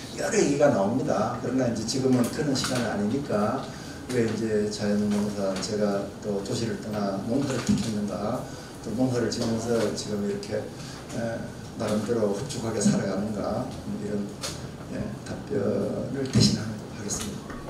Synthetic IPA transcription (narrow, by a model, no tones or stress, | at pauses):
jaɾeiiɡanaomɲidakɯɾʌnaind͡ʑe̞t͡ɕiɡɯmɯnkʰɯnɯnɕʰiɡaniaɲiɲik͈a | kɯɡeind͡ʑe̞t͡ɕaɾʌnɯnmoŋs̬ʰʌnt͡ɕe̞ɡat͈ot͡ɕoɕʰiɾɯɭt͈ʌŋamoŋsʰaɾɯɭpʰikʰinːɯnɡa | t͈omoŋsʰaɾɯɭt͡ɕimʌnsʰʌt͡ɕiɡɯmiɾʌkʰe̞ | naɾɯmdɯɾohɯp̚t͡ɕ͈okʰaɡe̞sʰaɾaɡanɯnɡa̰miɾʌn | je̞̰tap͈jʌ̰ɾɯɭte̞ɕʰinɦanʌdohaɡe̞s͈ɯmɲida